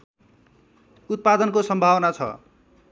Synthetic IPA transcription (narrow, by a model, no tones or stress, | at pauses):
ut̪̚pad̪ʌnkosʌmbʱawnat͡sʰʌ̰